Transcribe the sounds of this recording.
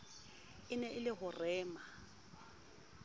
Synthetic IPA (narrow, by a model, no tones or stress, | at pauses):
ɪnɛɪlɪɣʊrɛːma